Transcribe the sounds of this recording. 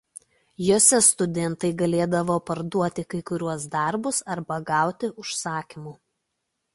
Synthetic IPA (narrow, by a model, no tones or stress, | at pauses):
joːsʲɛst̪ʊd̪ʲɛnt̪ɐɪɡɐlʲeːd̪ɐʋoːpɐɾd̪uɔt̪ʲɪkɐɪkʊɾʲuɔs̬d̪ɐɾbʊsɐɾbɐɡɑˑʊt̪ʲɪʔʊʃsɑːkʲimu